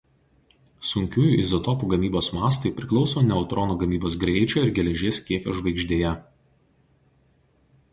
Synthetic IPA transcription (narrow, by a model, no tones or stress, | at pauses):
sʊŋʲkʲuːjuːʔɪzɔt̪ɔpuːɡɐmʲiːboːsmɑːst̪ɐɪpʲɾʲɪklˠɒʊsoːnʲɛɔʊt̪ɾɔnuːɡɐmʲiːboːsɡɾʲɛɪt͡ʃʲoːɪɾɡʲɛlʲɛʒʲeːskʲiɛkʲo̰ːʒʋɐɪɡʒʲd̪ʲeːjɛ